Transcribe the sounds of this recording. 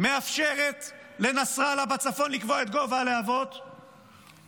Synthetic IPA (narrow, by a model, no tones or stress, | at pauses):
me̞afʃe̞ʁet̪le̞nasʁalabat͡safo̞nlikvo̞et̪ɡo̞valeavo̞t̪